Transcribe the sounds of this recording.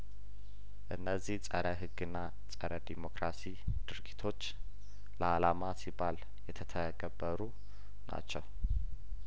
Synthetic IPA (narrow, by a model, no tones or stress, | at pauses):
ʔɨnːəzːiht͡sʼəɾəɦɨɡːɨnːa | t͡sʼəɾəd̪imo̞kɾasi | d̪̥ɨɾɡit̪ʰo̞t͡ʃː | ləalamasibal | jɛt̪ʰət̪ʰəɡəbːəɾu | na̰t͡ʃːɛw